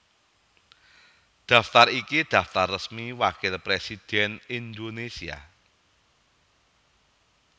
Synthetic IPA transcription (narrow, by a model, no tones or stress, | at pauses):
d̪̥ä̤ft̪arikid̪̥ä̤ft̪arːəsmiwakɪlpɾesid̪̥ɛnind̪onesia̰